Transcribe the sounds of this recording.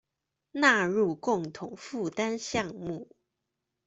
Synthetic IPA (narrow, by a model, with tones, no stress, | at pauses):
na˥˧ɻu˥˩kʊ˥˩ŋt̪ʰʊ˨˩˦ŋfu˥˩t̪a˦nɕjɑ˥˧ŋmu˥˩